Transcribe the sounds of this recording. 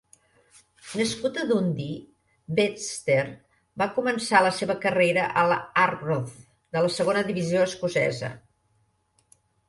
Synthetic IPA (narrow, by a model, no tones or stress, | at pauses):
nəskut̪əðund̪i | best̪er | bakumənsaləseβəkəreɾəʔəlˠaroθ | d̪ələsəɣonəðiβizioəskusɛ̰zə̰